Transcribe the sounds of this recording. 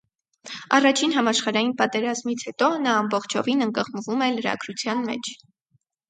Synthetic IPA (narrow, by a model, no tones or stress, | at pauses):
ɑ̰rɑt͡ʃʰinɦɑmɑʃχɑɾɑjinpɑt̪ɛɾɑzmit͡sʰhɛt̪ɔnɑːmbɔχt͡ʃʰɔ̰vinəŋkəʁmvumɛləɾɑ̰ɡɾut͡sʰjɑnmɛ̰t͡ʃʰ